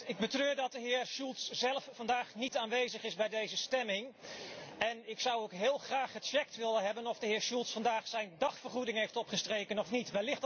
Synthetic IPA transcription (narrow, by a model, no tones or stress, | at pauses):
ɪɡ̚bətrøːɹdɑt̚dəɦɪːɹʃulˠtszɛlˠəfːɑndaːχnitaːnʋejzəχɪsbɛjdejzəstɛmɪŋ | ɛnɪksʌwowkɦɪːlˠχraːχhət͡ʃɛk̚tʋɪlənɦɛbənɔfdəɦɪːɹʃulˠtsfɑndaːχsɛjndɑχfərχudɪŋɦejftɔpχəstrejkənɔfnitʋɛlɪχt